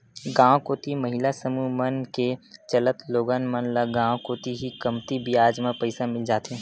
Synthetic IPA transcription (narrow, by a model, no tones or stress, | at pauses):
ɡãːw̃koːt̪iməɦɪlasəmumənket͡ʃələt̪loːɡaːnmənlaɡãːw̃koːt̪iɦikəmt̪ibijaːd͡ʒmãpɐɪsamɪld͡ʒaːt̪ɦɛ̃ː